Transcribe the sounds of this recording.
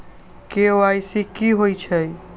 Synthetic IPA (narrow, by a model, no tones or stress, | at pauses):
keoajsikiɦojt͡ʃʰəj